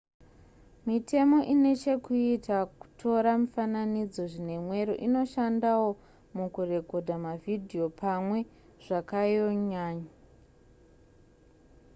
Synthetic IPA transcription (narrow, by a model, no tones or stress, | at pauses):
mitʰe̞mo̞ʔine̞t͡ʃe̞kuitaku̥tʰo̞ɾamufananid͡zo̞ʐine̞mwe̞ɾoʔino̞ʃandawo̞ | mukure̞ko̞dʱamavʱidʱio̞pʰamwe̞ | ʐ̥akajo̞ɲaːɲa